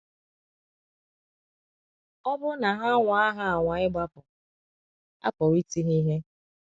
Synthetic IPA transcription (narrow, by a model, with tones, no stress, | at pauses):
ɔ˦bʊ˦na˨ɦa˦ŋʷa˨a˦ɦa˦a˨ŋʷa˨ɪ˦ɡ͡ba˦pɔ˨ | a̰˦pɔ˨wi˦ti˦ɦi˦ɦe˦